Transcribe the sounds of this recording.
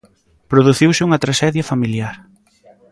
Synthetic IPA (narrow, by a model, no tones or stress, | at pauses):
pɾoðuθiwsɪuŋɐt̪ɾaʃɛðjɐfamiljaɾ